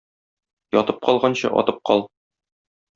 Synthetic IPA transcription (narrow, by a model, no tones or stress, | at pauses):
jɒt̪ɤp̚qɒlˠʁɑnɕɤ̰ʔɒ̰t̪ɤp̚qɒlˠ